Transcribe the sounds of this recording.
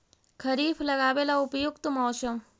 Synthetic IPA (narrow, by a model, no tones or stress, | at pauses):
kʰəɾiːfʰlɐɡaːʋeːlaʊpjʊkt̪mɔːʃə